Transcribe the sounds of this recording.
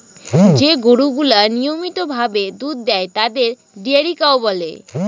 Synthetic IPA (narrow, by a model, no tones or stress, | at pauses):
d͡ʑeɡoɽuɡulanijomit̪obʱabed̪ud̪̚ːɛet̪ad̪eɾ | ɖiaɾikaobɔle